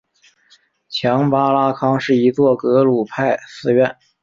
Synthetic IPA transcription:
t͡ɕʰjɑ˧˥ŋpa˥la˥kʰɑ˥ŋʂɻ̩˥˩i˧˥t͡swɔ˥˩kɤ˧˥lu˨˩pʰa˥˩ɪsɹ̩˥ɥɛ˥˩n

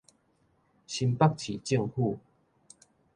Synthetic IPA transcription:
ɕi˧mpa˥˧k̚t͡ɕʰi˨˩t͡ɕi˥˧ŋhu˥˧˨

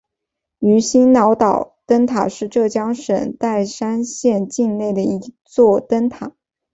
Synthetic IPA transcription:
y˧˥ɕi˥nnɑ˧˥ʊt̪ɑ˨˩ʊt̪ə˥nt̪ʰa̰˨˩ʂɻ̩˥˧ʈ͡ʂɤ˥˩t͡ɕjɑ˥ŋʂə˨˩nt̪a˥˩ɪʂa˥nɕjɛ˥˧nt͡ɕi˥˧nne˥˩ɪd̪ə˩i˧˥t͡swɔ˥˩t̪ə˥nt̪ʰa˨˩˦

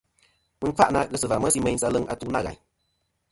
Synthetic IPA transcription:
mɨ˦ŋ̩˦ka˦ʔna˧˦ɣə˧sɨ˨va˨mə˦si˧˦mɛ̃˧ɲ˦sa˧lɨ˦˨ŋa̰˧tu˦na̰˦ɣa̰˨ɲ

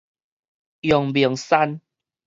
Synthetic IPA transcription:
jɔ˨˩ŋbi˨əŋsa˦n

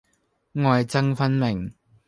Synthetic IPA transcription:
ŋɔː˨jt͡sɐ˥ŋfɐ˥nmɪ˨˩ŋ

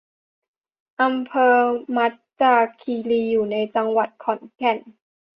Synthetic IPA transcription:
ʔa˧mpʰɤː˧ma˦˥t̪̚t͡ɕaː˧kʰiː˧liː˧juː˨˩na˧jt͡ɕa˧ŋwa˨˩t̪̚kʰɔ˨˩˦nkʰɛ˨˩n

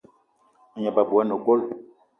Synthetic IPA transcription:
a˨ɲa˨ba˨bu˨ɛ˦no˨ɡo˦l

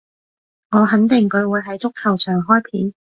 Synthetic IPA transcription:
ŋɔː˨˧ɦɐ˨˥nt̪ɪ˨˩ŋkɵ˨˧ɥwuː˨˧jɦɐ˨˥jt͡sʊ˥k̚t̪ʰɐ˨˩wsʰœː˨˩ŋɦɔː˥jpʰiː˨˥n

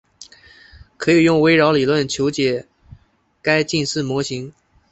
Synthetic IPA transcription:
kʰɤ˧˥i˨˩jʊ˥˩ŋwe˥ɪɻɑ˧˥ʊli˨˩lwə˥˩nt͡ɕʰjo˧˥ʊt͡ɕjɛ˨˩ | ka˥ɪt͡ɕi˥˧nʂɻ̩˥˩mwɔ˧˥ɕi˧˥ŋ

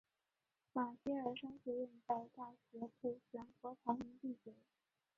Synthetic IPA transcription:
ma˨˩ɕɛ˥ə˞˨˩ʂɤ˥ŋɕɛ˧˥ɥɛ˥˧nt͡sa˥˧ɪt̪a˥˩ɕɥɛ˧˥pʰu˥˩ɕɥɛ˧˥nkwɔ˧˥pʰɑ˧˥ŋmi˧˥ŋt̪i˥˩t͡ɕɛ˧˩˥

